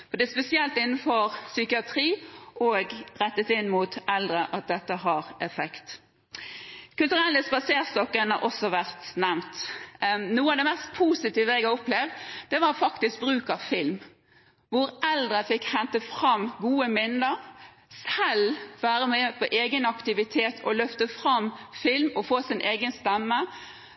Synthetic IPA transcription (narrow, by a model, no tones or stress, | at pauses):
fɔɾd̪ɛspɛsɪɛlt̪ɪnːn̩fɔɾsykɪɑt̪ʰɾiːʔoːɡʁɛt̪ːət̪ɪnmuːt̪ʔɛld̪ɾəʔɑt̪̚d̪ɛt̪ːəɦɑɾɛfɛkt̪ | kʉlt̪ʉʁɛlːəspɑseːʁst̪ɔkːənhɑ̰ɾʔɔsɔʋæʁt̪næmt̪ | nuːəɑʋd̪ɛmɛst̪̚pʰuːsɪt̪iːʋəɛɡɑɔplɛʋd̪d̪ɛʋɑʁfɑkt̪ɪsk̚bɾʉːkɑʋfɪlm | ʋʊɾʔɛld̪ɾəfɪkhɛnt̪əfɾɑmɡuːəmɪnd̪əɾ | sɛlʋæːɾəmɛpʰɔʔeːɡənɑkt̪ɪʋɪt̪ʰeːt̪ʰɔlœft̪əfɾɑmfɪlmɔfoːsɪnʔeːɡənst̪ɛmːə